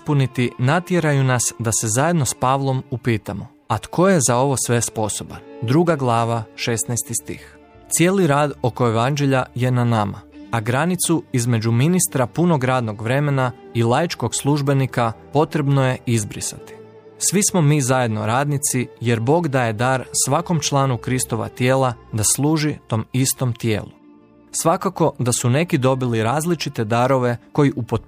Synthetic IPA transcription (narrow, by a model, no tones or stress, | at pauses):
ispunit̪inat̪jeɾajunasd̪ase̞zajed̪no̞spaːʋlˠo̞mupiːt̪amo | at̪kʰo̞je̞zao̞ʋo̞sʋe̞spo̞so̞ba̰nd̪ɾuːɡaɡlˠaːʋaʃesnɛjst̪ist̪ḭx | t̪sije̞ːliɾaːd̪o̞ko̞eʋand͡ʒe̞ʎaje̞nanama̰aɡɾanit̪suizme̞d͡ʒuminist̪ɾapuno̞ɡɾaːd̪no̞ɡʋɾe̞me̞nailˠajt͡ʃko̞ɡslˠuʒbe̞nikapo̞t̪ɾe̞bnoje̞izbɾḭsat̪i̥ | sʋismo̞miːzaje̞d̪no̞̰ɾaːd̪nit̪sije̞ɾbo̞ːɡd̪aːje̞d̪aːɾsʋako̞mt͡ʃlˠaːnukɾist̪o̞ʋa̰t̪je̞ːlˠad̪aslˠuːʒit̪o̞ːmist̪omt̪jḛːlu | sʋakako̞d̪asune̞kid̪o̞biliɾaːzlit͡ʃit̪e̞d̪aɾo̞ʋe̞ko̞jiʔupot̪̚